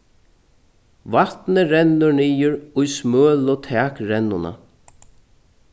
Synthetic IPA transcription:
vat̪nəɾɛnːʊɾɳiːjʊɾʊjsmøːlʊt̪ʰɛːkɾɛnːʊna̰

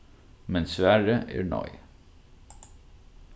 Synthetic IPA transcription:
mɛnsʋæːɹəʔæ̰ːɳɑ̰ʏ

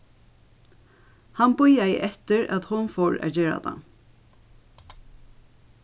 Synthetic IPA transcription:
hɑnbʊjæɪʔɛt̪əɹæ̰t̪hʊnfɔɹæ̰ːd͡ʒeːɹa̰d̪a̰

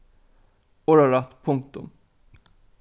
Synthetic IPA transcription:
ɔɾaɾat̪pʰɵŋk̚t̪ʊ̰m

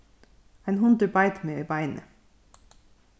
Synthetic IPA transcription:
æɪnhʊnd̪əbɑɪt̪meːiːbæɪnʔə̰

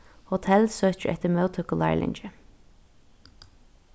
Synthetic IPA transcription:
hʊt̪ʰɛlsøːc͡çəʔɛt̪əmɑʊt̪ʰœkʊlɑ̰ɪlɪ̰nd͡ʒə

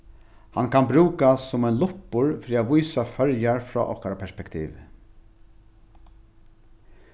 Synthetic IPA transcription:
hankʰanbɾuːkasːʊmɛɪnlʊpʊɹfɾiːaʋujsafœɾjaɹfɾɔ̰ːʔɔhkaɾapʰɛspɛkt̪ʰḭːʋ

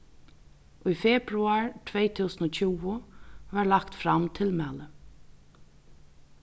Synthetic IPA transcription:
ʔujfɛːpɾuaɹt̪ʰvɛːjt̪ʰuːsənɔt͡ɕʰuːʊʋaɹlakt̪fɾamt̪ʰɪlmæːlə

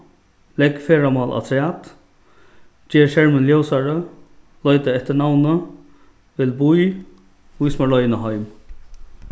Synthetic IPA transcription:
lɛkfeːɾamɑːlʔa̰t̪ʰɾæːt̪ | d͡ʒeːɾʃɛɹmənljowsaɾə | lɔjt̪əɛht̪ənawnə | ʋɪlbuj | ujsmaɭɔjnəɦɔjm

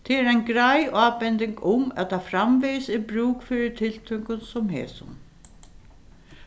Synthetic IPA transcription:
t̪ʰɪɛɾajnɡɾajaːpɛnt̪ɪŋkʊmɛ̰t̪afɾamvɛjsɪbɾuːkfɪɾɪt̪ʰɪlt̪ʰœŋkʊnsɔmɦɛ̰ːsʊ̰n

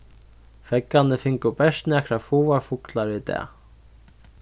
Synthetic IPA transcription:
fɛkːanɪfɪŋkʊpɛʂt̪nɛkʰɾafuːvaɹfʊklaɾvɪt̪ɛ̰ː

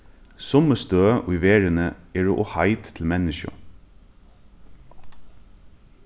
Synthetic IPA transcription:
sʊməst̪øːɪʋeːɹənəeːɹo̰ːʔoːhɑɪt̪ʰl̩mɛnɪʃɑ̰

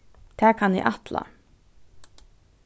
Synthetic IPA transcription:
t̪ʰæːkʰɑnjɛ̰ʔɑt̪la̰

